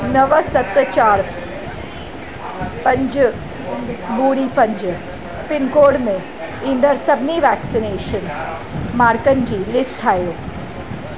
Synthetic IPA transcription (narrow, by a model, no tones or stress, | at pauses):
nɐʋəsɐt̪t͡ʃaːɾ | pɐ̃ɲd͡ʒ | buːɽipɐ̃ɲd͡ʒ | pɪnkoːɽmẽ | ɪ̃nd̪əɾsɐbʱniʋɛːksɪneːʃən | maːɾkənd͡ʑiːlɪsʈʰaːjoː